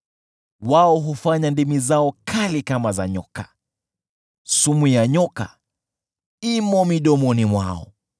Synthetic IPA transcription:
waɔɦufaɲandimizaɔkʰalikamaza̰ɲɔ̰ka | sumujaɲɔka | imɔmiɗɔmɔnimwa̰ɔ̰

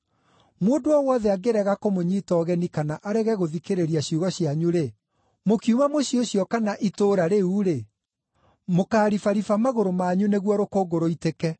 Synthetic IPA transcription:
mwodoɔwɔðɛaɡeɾɛɣakomoɲiːtɔɣɛnikanaʔaɾɛɣɛɣoðikeɾeɾiaɕjuɣɔɕiaɲuɾe | mokiumamoɕioɕjɔkanaʔitoːɾaɾeuːɾe | mokaːɾifaɾifamaɣoɾomaɲuneɣwɔɾokoːɡoɾoitekɛ

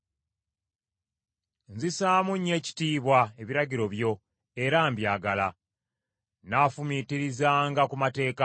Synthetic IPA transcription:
nzisaːmuɲːe̞ːci̥tiːβwae̞βiɾaɟiɾo̞βjo̞ | e̞ɾaːmbjaːɡala | naːfumitiɾizaːŋɡakumate̞ːka

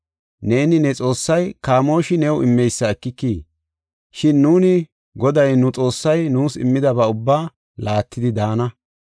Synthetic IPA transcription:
ne̞ːnɪnɛt͡sʼo̞ːsːɐjkaːmo̞ːʃɪnɛwʔɪmːɛjsːɐɛkːɪkːiː | ʃɪnːuːnɪ | ɡɔd̪ɐjnʊt͡sʼo̞ːsːɐjnuːsɪmːɪd̪ɐbɐʊbːaː | laːt̪ːɪd̪ɪd̪aːnɐ

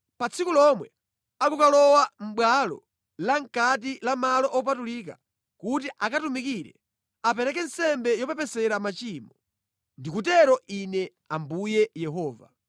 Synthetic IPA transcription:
pat͡sʰikulɔmwɛ | akukalɔwam̩ɓwalɔ̰ | laŋkat̬ilamalɔʔɔp̬atulik̬a | kut̬iʔakatumikiɾɛ̰ | apɛɾɛkɛn̩sɛmbɛjɔpɛpɛsɛɾamat͡ʃiːmɔ | ndikut̬ɛɾɔʔinɛ | ambujɛjɛɦɔːva̰

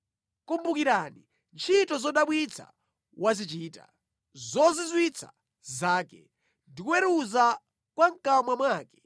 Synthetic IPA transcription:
kumbukiɾani | nt͡ʃʰitɔzɔɗaɓwit͡sʰa̰ | wʔazit͡ʃiːta̰ | zɔzizwit͡sʰa̰ | zaːkɛ̰ | ndikuwɛɾuza | kwaŋ̩kamwamwaːkɛ̥

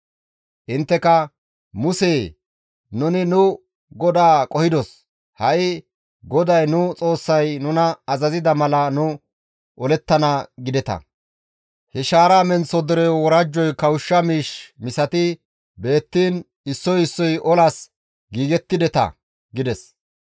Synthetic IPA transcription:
ʔɪnt̪ːɛkɐ | mʊseː | nʊnɪnʊ | ɡɔd̪aːkʼɔhɪd̪ɔs | hɐʔɪ | ɡɔd̪ɐjnʊt͡sʼo̞ːsːɐjnʊnɐːzɐzɪd̪ɐmɐlɐnʊ | ʔɔlɛt̪ːɐnaɡɪd̪ɛt̪ɐ̰ | hɛʃaːɾaːmɛnt͡sːɔd̪ɛɾɛwɔɾɐd͡ʒːɔjkɐwʊʃːɐmiːʃmɪsɐt̪ɪ | be̞ːt̪ːiːn | ɪsːɔjɪsːɔjʔɔlas | ɡiːɡɛt̪ːɪd̪ɛt̪ɐ̰ | ɡɪd̪ɛs

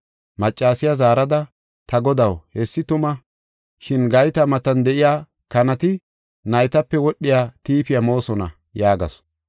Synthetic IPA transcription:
mɐt͡ʃʼːaːsɪjazaːɾɐd̪ɐ | t̪ɐɡɔd̪ɐwhɛsːɪt̪ʊmɐ | ʃɪnɡɐjt̪ɐmɐt̪ɐnd̪ɛʔɪjaː | kɐnɐt̪ɪ | nɐjt̪ɐpːɛwɔɗːɪjaːt̪iːpɪjamo̞ːsɔnɐ̰ | jaːɡɐ̰s

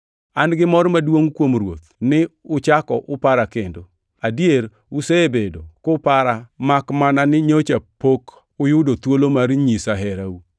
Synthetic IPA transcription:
anɡɪmɔɾmadwoŋkwomɾwo̰t̪nɪʊt͡ʃakɔʔʊpaɾakendo | adjeɾ | useebedokʊpaɾamakmananɪɲot͡ʃapok | ʊjʊdot̪wolomaɾɲisaɦɛɾau

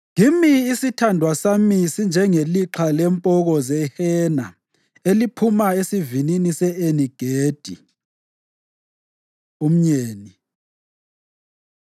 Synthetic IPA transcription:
ŋimiːsitʰandʱwasamisind͡ʒʱɛŋeliǁʰalɛmpʼɔɣɔzɛhɛna | elipʰumaesivininisɛeniɡ̥ʱeːd̥ʱḭ | um̩ɲeːni

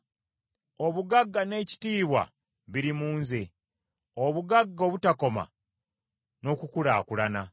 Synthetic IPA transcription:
o̞βuɡaɡːane̞ːci̥tiːβwa̰ | βiɾimuːnze | oβuɡaɡːoβutako̞ma̰ | no̞kukulaːkulana

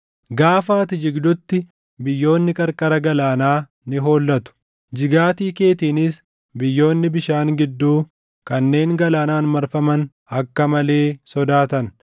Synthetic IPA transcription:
ɡaːfaːt̪ɪd͡ʒɪɡd̪ʊt̪ːɪ | bɪjːo̞ːnːɪkʼɐɾkʼɐɾɐɡɐlaːnaː | nɪɦo̞ːlːɐt̪ʊ̥ | d͡ʒɪɡaːt̪iːke̞ːt̪iːnɪs | bɪjːo̞ːnːɪbɪʃaːŋɡɪd̪ːuː | kɐnːe̞ːŋɡɐlaːnaːnmɐɾfɐmɐn | ɐkːɐmɐle̞ːsɔd̪aːt̪ɐn

